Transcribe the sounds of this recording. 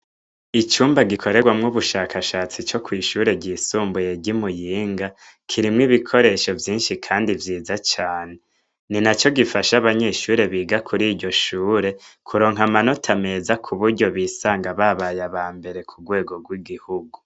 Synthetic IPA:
it͡ʃuːmbaɡikʰo̞ɾe̞ɡwamŋuβuʃaːkʰaʃaːt͡sit͡ʃo̞kwiːʃuːɾe̞ɟiːsuːmbuje̞ɟimujiːŋɡa | kʰiɾimŋiβikʰo̞ɾe̞ʃo̞vjiːnʃikʰaːndivjiːzat͡ʃaːne̞ | ninat͡ʃo̞ɡifaʃaβaɲe̞ːʃuːɾe̞βiːɡakʰuɾiːɾɟo̞ʃuːɾe̞kʰuɾo̞ːŋɦamano̞tʰame̞zakʰuβuɾɟo̞βiːsaːŋɡaβaβajaβaːmbe̞ɾe̞kʰuɡwe̞ːɡo̞ɡwiɡihuɡu

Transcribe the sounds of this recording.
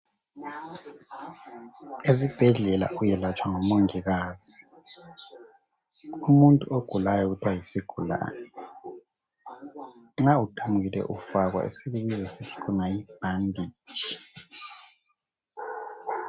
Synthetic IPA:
ezib̥ʱɛɮɛla̰ʔujɛlat͡ʃʰʼwaŋɔmoŋiɣaːz̥i | umuntʼuʔoɡ̥ʱulajɔɣutʰwajisiɡ̥ʱula̰ːnɛ | ŋ͡ǁautʰamuɣilɛ̰ʔufaɣwa̰ʔḛsiɓiɓizɛsit͡ʃʰʼi̥kʰunajib̥̚ʱaŋɡiːd̥ʒ̥ʱi̥

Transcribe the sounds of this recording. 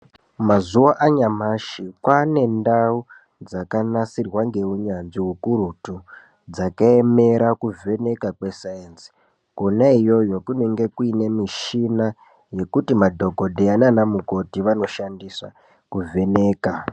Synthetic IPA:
mazuwaʔaɲamaʃikwane̞ndau | d͡zakanasirwaŋɡe̞uɲanʐiɦukuɾutu | d͡zakaeme̞ɾakuve̞ne̞kakwe̞sajensi̥ | konaijo̞jokune̞ŋɡe̞kuinemiʃina | je̞kutimadʱo̞ko̞deananamuko̞tiʋano̞ʃandiswa̰ | kuve̞ne̞ːka

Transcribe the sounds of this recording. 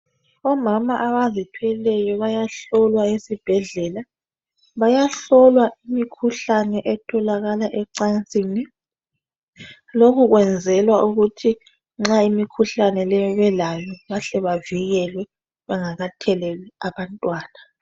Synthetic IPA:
ɔmamaʔaβazitʰwɛlɛjɔβajaɬɔlwaesib̥ʱɛɮɛla | βajaɬɔlwaʔimikʰuɬanɛʔɛtʰɔlaɣalaʔɛǀant͡sʼiːni | lokuɣwɛnd͡zʱɛlwaʔuɣutʰi | ŋ͡ǁaimikʰuɬanɛlɛjɔβɛlajɔɣaɬɛβaviɣɛlwɛ | βɛŋaɣatʰɛlɛlɛaβantʼwaːna

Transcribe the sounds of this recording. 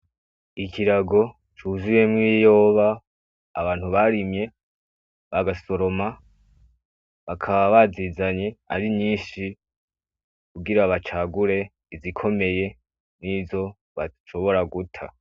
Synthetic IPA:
ikʰiɾaɡo̞ | t͡ʃuzuje̞mŋijo̞ːβaː | βaːn̥huβaɾimɲe̞ | βaɡaso̞ɾo̞ma | βakʰaβaβazizaɲe̞a̰ɾiɲɲiːnʃi | kuɡiɾaβat͡ʃaːɡuɾe̞ | izikʰo̞me̞je̞ | nizo̞ | βaʃo̞βo̞ɾaɡutʰa̰

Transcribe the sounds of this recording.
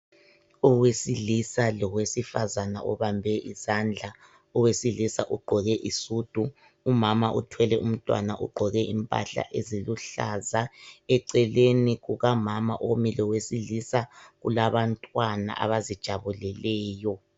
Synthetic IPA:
ɔwesilisalɔɣwesifazanaʔɔβambʱɛʔizand͡ɮʱa | ɔwesilisaʔuɡ͡ǃʱɔɣɛʔisuːd̥ʱu | umamaʔutʰwɛlɛʔum̩tʼwa̰naʔṵɡ͡ǃʱɔɣɛʔimpʼa̰ɬa̰ʔeziluɬa̰zaɛǀɛleniɣuɣamama̰ʔomilɔwesilisaɣṵlaβantʼwana̰ʔa̰βazid̥ʒ̥ʱaβulɛlɛːjɔ

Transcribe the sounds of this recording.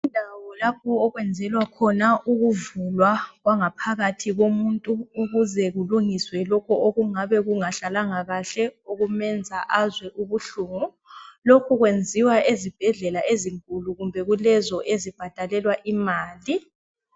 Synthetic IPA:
undʱawɔlapʰɔːɣwɛnd͡zʱɛlwakʰɔnauɣuvulwaɣwaŋapʰaɣatʰiɣomuntʼuːɣuzɛɣuluŋiswɛlɔkʰɔoɣuŋaβɛɣuŋaɬalaŋaɣaɬɛoɣumɛnd͡zʱaʔazwɛʔuβuɬuːŋu | lokʰuɣwend͡zʱiwaʔezib̥ʱɛɮɛlaʔeziŋkʼuluɣumbʱɛɣulɛzɔʔezib̥ʱad̥ʱalɛlwaʔimaːli

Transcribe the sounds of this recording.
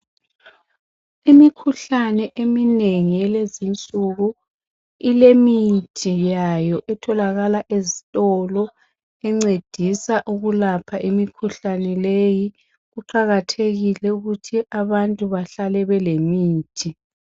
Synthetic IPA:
imikʰuɬanɛʔemineŋijɛlezint͡sʼuɣu | ilemitʰijajɔʔɛtʰɔlaɣalaʔezitʼɔlɔ | ɛŋ͡ǀed̥ʱisaʔuɣulapʰaʔimikʰuɬanɛleji | ɣuǃaɣatʰeɣilɛuɣutʰiʔaβantʼuβaɬalɛβɛlemiːtʰi

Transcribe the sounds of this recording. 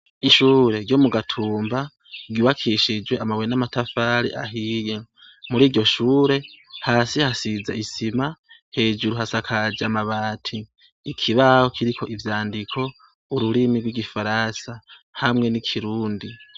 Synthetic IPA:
iʃuːɾe̞ɾɟo̞muɡatʰuːmba | ɡiβakʰiʃid͡ʒweamawenamatafaːɾḭʔa̰ɦiːje | muɾiːɾɟo̞ʃuːɾe̞haːsihasizaisimahe̞ːd͡ʒuɾuhasakʰad͡ʒamaβaːtʰiː | kʰiβaho̞kʰiɾikʰo̞ʔivjaːndikʰo̞ | uɾuɾimiɡwiɡifaɾasahamŋe̞nikʰiɾuːndi

